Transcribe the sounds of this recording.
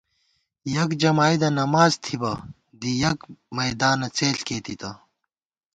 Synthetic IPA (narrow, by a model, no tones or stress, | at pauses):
jɐkd͡ʑɐmaːjd̪ɐnɐmaːzt̪ʰibɐ | d̪ijɐkmɐjd̪aːnɐt͡seːɬkeːt̪it̪ɐ